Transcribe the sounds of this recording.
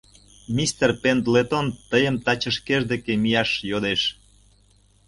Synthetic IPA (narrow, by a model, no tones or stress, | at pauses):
mʲist̪erpent̪let̪ont̪əjəmt̪ɑt͡ɕəʃkeʒd̪ekemijɑʃjod̪eʃ